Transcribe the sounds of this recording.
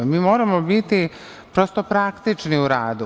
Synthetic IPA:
miːmo̞ːɾamo̞bit̪i | pɾost̪o̞pɾakt̪it͡ʃniuɾaːd̪u

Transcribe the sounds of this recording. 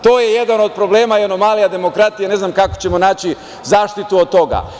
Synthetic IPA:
t̪o̞ːjeje̞d̪ano̞d̪̚pɾoble̞ːmaano̞maːlijad̪e̞mo̞kɾat̪ijene̞znamkako̞̥t͡ɕe̞mo̞naːt͡ɕi | zaːʃt̪it̪uod̪̚t̪o̞ɡa̰

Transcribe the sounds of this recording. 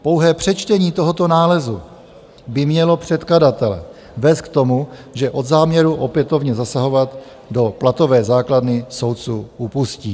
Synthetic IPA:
po̞wɦɛːpr̝̥ɛt͡ʃt̪ɛɲiːt̪o̞ɦo̞t̪o̞naːlɛzu | bɪmɲɛlo̞pr̝̥ɛt̪kladat̪ɛlɛ̰ | vɛːst̪̚k̚t̪o̞muʒɛʔo̞d̪zaːmɲɛɾuʔo̞pjɛt̪o̞vɲɛzasaɦo̞vat̪ | do̞plat̪o̞vɛːzaːkladnɪso̞wt̪t͡suːupuscḭː

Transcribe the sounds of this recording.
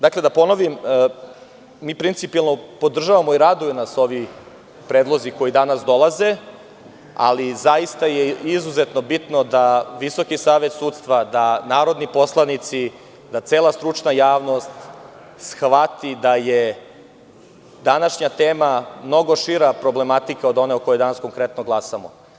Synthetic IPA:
d̪akle̞d̪apo̞no̞ʋim | miːpɾint̪sipielˠno̞po̞d̪r̩ʒaʋamo̞iɾad̪ujunaso̞ʋi | pɾeːd̪lˠo̞ziko̞jid̪anasd̪o̞lˠaze̞ | a̰lizajist̪ajeizuzet̪no̞bit̪no̞d̪aʋiso̞kisaːʋe̞t̪suːd̪t̪st̪ʋad̪anaːɾo̞d̪nipo̞slˠanit̪si | d̪at̪seːlˠast̪ɾut͡ʃnajaːʋno̞st̪ | sxʋat̪id̪aje | d̪anaʃɲat̪eːmamno̞ɡo̞ʃiɾapɾo̞blemat̪ikao̞d̪o̞neoko̞jod̪anasko̞ŋkɾet̪noɡlˠasamo

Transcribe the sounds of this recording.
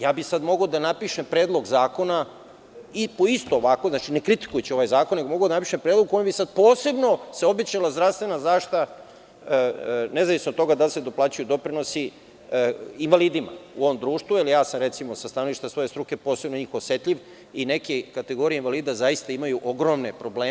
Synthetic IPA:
jaːbisad̪mo̞ɡaod̪anapiʃempɾeːd̪lˠo̞ɡzaːko̞na | ipoist̪o̞ːʋako̞znat͡ʃinekɾit̪i̥kujet͡ɕio̞ʋajzaːkonːeɡo̞mo̞ɡad̪anapi̥ʃempɾeːd̪loɡ̚kojbisad̪̚po̞ːse̞bno̞seo̞be̞t͡ɕalˠazd̪ɾafst̪ʋe̞nazaʃt̪a | ne̞zaʋisnot̪o̞ɡad̪alsed̪oplaːt͡ɕajud̪o̞pɾino̞si | inʋaliːd̪ima̰uoʋomd̪ɾuːʃt̪vuilijaːsamɾe̞t̪simo̞sast̪ano̞ʋiʃt̪asʋo̞je̞st̪ɾuke̞po̞ːse̞bnoɲiːxosjet̪ʎʲiʋ | ine̞kekat̪e̞ɡo̞ɾie̞inʋaliːd̪azaist̪aimajuʔo̞ɡɾo̞mnepɾo̞bleː

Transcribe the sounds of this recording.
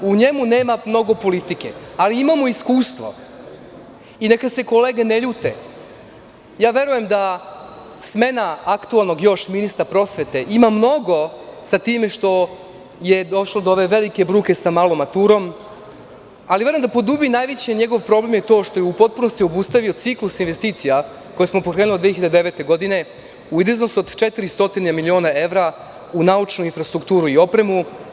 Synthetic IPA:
uɲe̞mune̞ːmamno̞ɡo̞po̞lit̪ikḛaliimamoiskuːst̪ʋo̰ | inekad̪se̞ko̞leːɡeneʎuːt̪e | jaːʋe̞ɾuje̞md̪a | sme̞naakt̪ualˠno̞ɡjo̞ʃminist̪aɾpɾo̞sʋe̞t̪e̞ʔimamno̞ɡo̞sat̪iːme̞ʃt̪o̞ | jed̪o̞ʃlˠod̪ooʋe̞ʋe̞like̞bɾuːke̞samalˠo̞mat̪uɾo̞m | aliʋe̞ɾomd̪apod̪ubinaːjʋet͡ɕeɲeɡoʋpɾo̞blemjet̪o̞ːʃt̪o̞jeupo̞t̪̚puno̞st̪io̞bust̪aʋio̞t̪siklusinʋe̞st̪iːt̪sija | ko̞jesmo̞pokɾenlod̪ʋeçiʎad̪eʋe̞ːt̪e̞ɡo̞d̪ine̞ | uid̪eznosod̪t͡ʃet̪iɾist̪o̞t̪inemilio̞nae̞ʋɾa | unaut͡ʃnuinfɾast̪ɾukt̪uːɾuio̞pɾe̞mu

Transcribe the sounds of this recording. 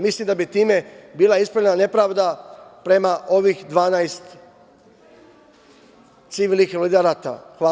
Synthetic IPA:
mislimd̪abit̪iːme̞biːlˠaispɾoʎenane̞pɾaːʋd̪apɾe̞maʔo̞ʋixd̪ʋaːnajst̪ | t̪siʋiːlnixlid̪aɾat̪a̰xʋa

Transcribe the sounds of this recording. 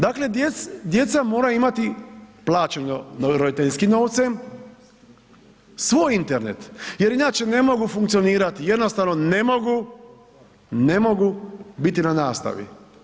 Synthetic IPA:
d̪akle̞d̪jesd̪je̞t̪samo̞ːɾaimat̪iplˠaːt͡ʃenonɾod̪it̪eʎʲskimno̞ːʋt̪sem | sʋoːjint̪eɾnḛt̪je̞ɾinaːt͡ʃe̞ne̞mo̞ɡufuŋkt̪sio̞niːɾat̪ije̞d̪nost̪aʋno̞ne̞mo̞ɡu | nemo̞ɡubit̪inanaːst̪a̰ʋḭ

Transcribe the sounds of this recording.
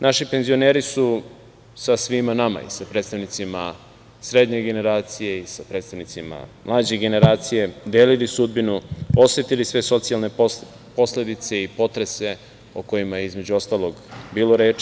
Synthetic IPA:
nʔaʃipe̞nzio̞neːɾisu | sasʋimanama̰ḭsapɾet̪st̪aʋnit̪sima | sɾe̞d̪ɲeɡe̞ne̞ɾaːt̪sije̞isapɾeːt̪st̪aʋnit̪sima̰mlˠaːd͡ʑeɡe̞ne̞ɾaːt̪sije̞d̪eːlilisud̪̚binuo̞sʋet̪ilisʋe̞so̞t̪sijalne̞ | po̞sle̞d̪it̪se̞ipo̞t̪ɾe̞se̞ | oko̞jimajeizme̞d͡ʑuo̞st̪aːlˠoɡbiːlo̞ɾe̞ːt͡ʃ

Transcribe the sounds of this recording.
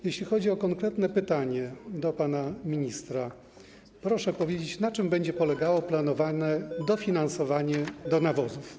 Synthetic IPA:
jeɕlʲixɔd͡ʑiɔkɔŋkɾɛt̪nɛpɘt̪aɲɛd̪ɔpanamʲiɲist̪ɾa | pɾɔʂɛpɔvʲjed͡ʑet͡ɕnat͡ʂɘmbɛɲd͡ʑɛpɔlɛɡawɔplanɔvanɛd̪ɔfʲinansɔvaɲɛd̪ɔnavɔzuf

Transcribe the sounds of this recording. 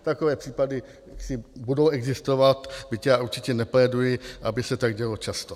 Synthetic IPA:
t̪akovɛːpr̥iːpadɪ | jaksɪbudowɛɡzɪst̪ovat̪bɪcaːʔuɾt͡ʃɪcɛnɛplɛːdujɪʔabɪsɛt̪aɡɟɛlot͡ʃast̪o

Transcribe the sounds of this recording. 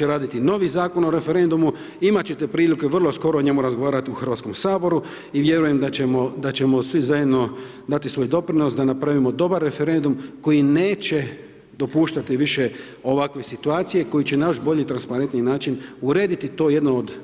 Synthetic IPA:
eɾaːd̪it̪ino̞ʋizaːko̞no̞ɾe̞fe̞ɾe̞nd̪umu | imat͡ɕet̪e̞pɾiːlike̞ʋr̩lˠo̞sko̞ɾo̞oɲe̞muɾazɡo̞ʋaːɾat̪iuxr̩ʋat̪ko̞msaːbo̞ɾu | iʋje̞ɾuje̞md̪aemod̪at͡ɕe̞mo̞sʋizajed̪no̞ | d̪at̪isʋo̞jd̪o̞pɾino̞sd̪anapɾaʋimo̞d̪o̞baɾːe̞fe̞ɾe̞nd̪umko̞jineːt͡ɕe̞ | d̪o̞puːʃt̪at̪iʋiʃe̞ | o̞ʋakʋe̞sit̪uaːt̪sije̞ko̞jit͡ɕe̞najo̞ʃbo̞ʎit̪ɾanspaɾe̞nt̪ninaːt͡ʃinuɾe̞ːd̪it̪it̪o̞je̞d̪nood̪

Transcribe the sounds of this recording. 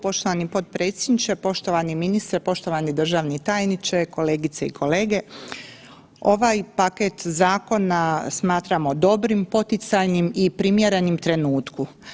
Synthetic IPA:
po̞ʃt̪oʋanipo̞t̪̚pɾe̞t̪sʲjed̪nit͡ʃepo̞ʃt̪o̞ʋaniminist̪ɾepo̞ʃt̪o̞ʋanid̪r̩ʒaʋnit̪aːjnit͡ʃeko̞leːɡit̪seḭkʰo̞leːɡe | o̞ʋajpaket̪zaːko̞nasmaːt̪ɾamod̪o̞bɾimpo̞t̪it̪sajnimipɾimjeɾe̞nimt̪ɾe̞nuːt̪ku

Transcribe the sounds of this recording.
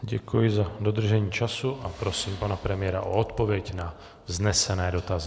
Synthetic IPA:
ɟɛkujɪzad̪od̪r̩ʒɛɲiːt͡ʃasuʔapɾosiːmpanapɾɛmɪjɛɾa̰ʔoɔt̪povɪɛɟna | vznɛsɛnɛːdot̪azɪ

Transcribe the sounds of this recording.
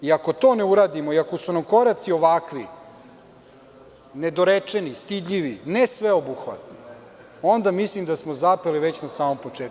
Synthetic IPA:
iako̞t̪o̞ːneuɾaːd̪imoiako̞sunamko̞ɾat̪sio̞ʋakʋi | ne̞d̪oɾet͡ʂe̞nist̪id̪ʎiʋinesʋeobuxʋa̰t̪no | o̞nd̪amislimd̪asmozapeliʋe̞t͡ɕnasaːmo̞mpot͡ʂeːt̪̚

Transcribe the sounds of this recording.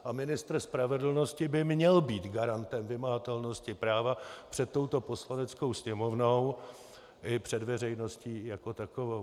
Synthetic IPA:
ʔamɪnɪst̪r̩spɾavɛdl̩no̞scɪbɪmɲɛlbiːt̪ɡaɾant̪ɛmvɪmaɦat̪ɛlno̞scɪpɾaːvapr̝̥ɛt̪ːo̞wt̪o̞po̞slanɛt͡sko̞wsɲɛmo̞vnow | ʔɪpr̝̥ɛdvɛr̝ɛjno̞sciːjako̞t̪akovow

